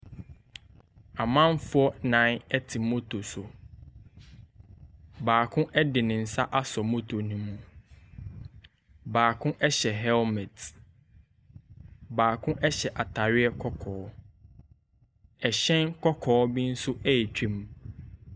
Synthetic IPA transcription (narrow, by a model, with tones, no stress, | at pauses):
a˨mã˦nfʊ˦ɔ˦nã˨˦nɛ˦tʰɪ˨mo˦tʰo˨sʊ˨ | baː˨kʰʊ̃˦ʔɛ˦dɪ˨nɪ̃˨n̩˨sa˦ʔa˦sɔ˨mo˦tʰo˨nũ˦mũ˨ | baː˨kʰʊ̃˦ʔɛ˦ɕɛ˨ɦɛ˦lmɛ̃˨t | baː˨kʰʊ̃˦ʔɛ˦ɕɛ˨ʔa˨tʰa˨ɾɪ˦ɛ˦kʰɔ˦kʰɔː˨˦ | ɛ˨ɕɛ̃˦nkʰɔ˦kʰɔː˨˦bĩ˦n̩˦sʊ˦ʔɛ˦jɛ˨t͡ɕᶣʰĩ˦m